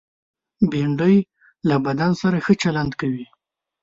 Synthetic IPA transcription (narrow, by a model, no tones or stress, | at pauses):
beɳɖəj | labad̪ansaɾaxət͡ʃaland̪kawi